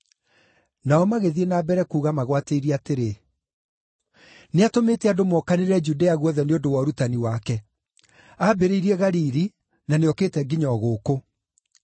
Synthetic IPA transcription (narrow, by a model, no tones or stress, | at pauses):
naɔmaɣeðienaːbɛɾɛkuːɣamaɣwateiɾiateɾe | neatomeːtɛadomɔkaneɾɛd͡ʒudeaɣwɔðɛneondowɔɾutaniwakɛ | abeɾeiɾiɛɣaɾiɾi | naneɔkeːtɛɡiɲɔɣoːko